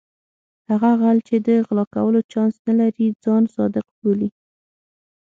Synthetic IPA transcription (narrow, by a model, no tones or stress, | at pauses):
haɣaɣalt͡ʃed̪əɣlɑka̰wəlot͡ʃɑnsnalaɾid͡zɑnsɑd̪ɪqboli